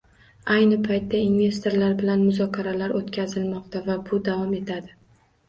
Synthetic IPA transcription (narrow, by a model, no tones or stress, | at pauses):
ajnɪpʰajt̪ʰːainve̞st̪oɾlaɾbɪlanmʊzɒkʲʰaɾalaɾʔot̪kʲʰazɪlmɒq̚t̪ʰavabʊd̪avɒme̞t̪ʰad̪ɪ